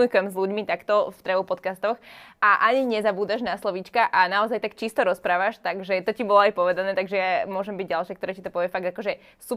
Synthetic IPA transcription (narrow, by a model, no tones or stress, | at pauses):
ɲikʊɛmzluɟmit̪akt̪ɔft̪ɾɛʋupɔt̪kast̪ɔxʔaʔaɲiɲɛzabuːd̪aʒnaslɔʋit͡ʃkaʔanaɔzajt̪akt͡ʃist̪ɔɾɔspɾaːʋaʃt̪aɡʒɛt̪ɔcibɔlɔajpɔʋɛd̪anɛːt̪aɡʒɛjamʊɔʒɛmbiɟ̚ɟalʃakt̪ɔɾaːcit̪ɔpɔʋɛfaɡ̚d̪akɔʒɛ | su